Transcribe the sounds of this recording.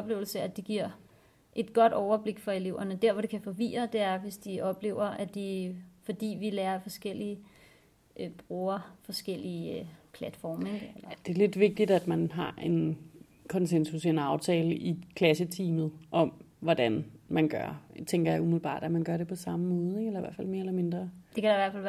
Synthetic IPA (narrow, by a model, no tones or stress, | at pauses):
ɒb̥le̝ːʊl̩səæd̥e̝ɡ̥iɐ̰ | ʔe̝d̥ɡ̥ɒ̽d̥ɒʊɐb̥le̝ɡ̥fɒ̽e̝le̝ʊ̰ɐnəd̥æɐ̰ʋɒɾ̥e̝kʰæfɒ̽ʋḭːɐd̥e̝æɐʋe̝sd̥iɒ̽b̥le̝̰ʊɐʔæ̥ifɒ̽d̥ḭːʋilɛːɐfɒ̽sɡ̥el̰iə | ʔb̥ʁuːɐfɒ̽sɡ̥el̰ipʰlæd̥fɒ̰ːmeɡ̥ellɐd̥e̝æle̝d̥ʋe̝ɡ̥̚d̥id̥æd̥mænɦɑ̈ʔe̝n | kʰɒ̽nsensusienɑ̈ʊt͡sʰɛːləʔikʰlæsət͡sʰiːmð̞̩ˠʔɒ̽mʋɒd̥ænmænɡ̥ɶɐt͡sʰeŋɡ̥ɐjɑ̈umiðl̩ˠb̥ɑ̰̈ːd̥æmænɡ̥ɶɐɾepʰɒ̽sɑ̈məmɔ̽ːð̩ˠeŋelɐiʋæɐfæl̰me̝ːɐelɐme̝nd̥ʁɐd̥e̝kʰæɾ̥ɑ̈iʋæɐfæl̰ʋ